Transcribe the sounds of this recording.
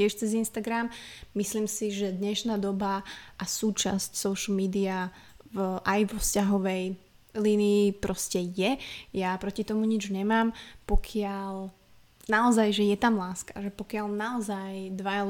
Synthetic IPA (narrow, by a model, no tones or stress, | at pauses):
ɪɛʃt͡sɛzinst̪aɡɾammisliːmsiʒɛd̪ɲɛʃnaːd̪ɔbaʔasuːt͡ʃa̰scsɔʊʃl̩miːd̪ia | vʔajʋɔfscaɦɔʋɛj | liːniːpɾɔscɛjɛjapɾɔcit̪ɔmuɲid͡ʒɲɛmaːmpɔkʰɪal | naɔzajʒɛjɛt̪amlaːskḁʒɛpɔkɪalnaɔzajd̪ʋaja